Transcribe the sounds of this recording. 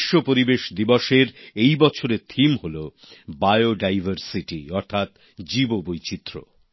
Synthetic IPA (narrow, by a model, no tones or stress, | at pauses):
ʃːopoɾibeʃd̪ibɔʃeɾejbɔt͡ɕʰoɾet̪ʰimɦolo | bajoɖajvʱaɾsiʈiɔɾt̪ʰat̪ | d͡ʑibobojt͡ɕit̪ːɾo̰